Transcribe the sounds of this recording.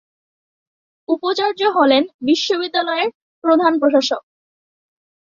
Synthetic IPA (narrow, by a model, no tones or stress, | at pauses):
upot͡ɕaɾd͡ʑoɦolenbiʃːobid̪ːalɔeɾ | pɾod̪ʱanpɾoʃaʃok̚